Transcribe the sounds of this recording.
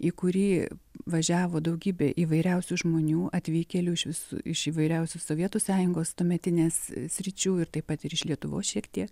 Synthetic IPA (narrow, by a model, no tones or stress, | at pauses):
iːkʊɾʲiːʋɐʒʲæːʋoːd̪ɐʊɡʲiːbʲeːʔiːʋɐɪɾʲɛʊsʲuːʒmoːnʲuːʔɐt̪ʲʋʲiːkʲɛlʲuːɪʃʋʲɪsṵɪʃiːʋɐɪɾʲɛʊsʲusoːʋʲiɛt̪uːsɑːjʊŋɡoːst̪oːmʲɛt̪ʲɪnʲeːssʲɾʲɪt͡ʃʲuːɪɾt̪ɐɪpɐt̪ɪɾɪʃlʲiɛt̪ʊʋoːsʃʲiɛkt̪ʲiɛk